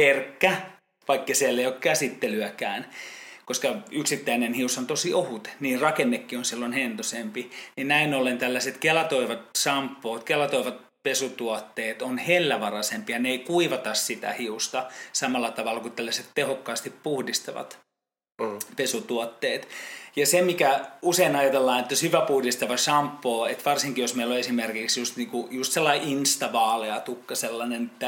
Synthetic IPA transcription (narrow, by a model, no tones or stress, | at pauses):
perkːæ | ʋɑikːesiælːeiokkæsit̪ːelyækæːnkoskɑyksit̪ːæinenhiusɑnt̪osiʔohut̪niːrrɑkenːekːionsilːonhent̪osempininnæinolent̪ælːæset̪kelɑt̪oiʋɑt̪sɑmpːoːt̪kelɑt̪oiʋɑt̪̚ | pesut̪uot̪ːeːt̪onhelːæʋɑrɑsempiɑneikuiʋɑt̪ɑssit̪æ̰hiust̪ɑsɑmɑlːˑɑt̪ɑʋɑlːɑkutt̪ælːæset̪t̪ehokːɑːst̪ippuhdist̪ɑʋɑ̰t̪ | pesut̪uot̪ːeːt̪jɑsemikæuseinɑjɑt̪elːɑːnet̪ːoshyʋæpuhdist̪ɑʋɑsɑmpːoːet̪ʋɑrsiŋkijosmeiloesimerkiksjust̪niːŋkujust̪selˑːɑiʔinst̪ɑʋɑːleɑt̪ukːɑselːɑnenet̪ːæ